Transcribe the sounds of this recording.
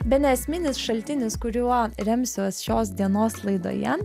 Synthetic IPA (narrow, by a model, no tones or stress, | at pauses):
bʲɛnʲɛɛsʲmʲɪnʲɪsʃɐlʲt̪ʲɪnʲɪskʊɾʲuɔɾʲɛmʲsʲuːsʃoːs̬d̪ʲiɛnoːslˠɐɪd̪o̰ːjɛ